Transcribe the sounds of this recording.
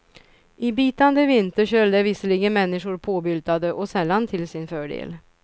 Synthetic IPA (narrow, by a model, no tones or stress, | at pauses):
ʔɪbiːt̪and̪əvɪnt̪əɕœld̪ɛvɪsəliːɡənmɛnːɪʂʊɾpʰoːbʏlt̪ad̪əʔɔsɛlːant̪ʰɪlsɪnfœːɖḛːl